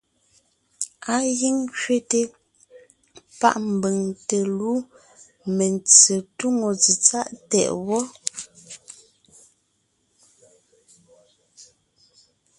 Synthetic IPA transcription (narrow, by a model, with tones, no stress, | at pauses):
a˦ɣi˦ŋkɥe˦te˨ | pa̰˦˨ʔm̩˨bə˨ŋte˨lu˦ | me˨nt͡se˨tu˦ŋo˨d͡zi˨t͡sa˦ʔtɛ̰˨ʔwɔ˦